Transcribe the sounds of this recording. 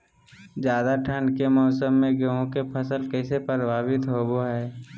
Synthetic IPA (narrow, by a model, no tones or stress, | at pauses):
d͡ʒjaːd̪aʈʰə̃ɳɖkemɔːsəmːẽɡəɦõkepʰəsəlkɛːɪsepəɾbʱaːbɪt̪ɦoboɦɛː